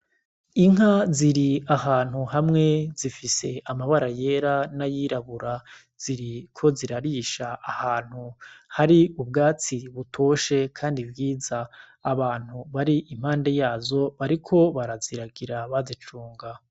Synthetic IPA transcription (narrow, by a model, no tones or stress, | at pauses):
iŋɦaziɾiaɦaːn̥huɦamŋe̞zifise̞amaβaɾaje̞ɾanajiɾaβuɾa | z̥iɾikʰo̞ziɾaɾiʃaːhaːn̥huhaɾiubɡaːt͡siβutʰo̞ːʃe̞kʰaːndibɡiːzaː | βaːn̥huβaɾiʔim̥haːnde̞jaːzo̞βaɾikʰo̞βaɾaziɾaɡiɾaβazit͡ʃuːŋɡa